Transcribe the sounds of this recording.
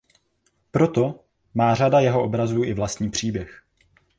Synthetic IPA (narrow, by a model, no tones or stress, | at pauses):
pɾo̞t̪o̞ | maːr̝adajɛɦoʔobɾazuːʔɪvlast̪ɲiːpr̝̥iːbjɛx